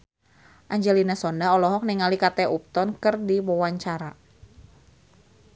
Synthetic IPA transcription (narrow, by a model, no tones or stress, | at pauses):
ʔaɲd͡ʒɛlinasɔndaɔlɔɦɔk̚niŋalikat̪ɛʔup̚t̪ɔnkɨrdiwɔwaɲt͡ʃaɾa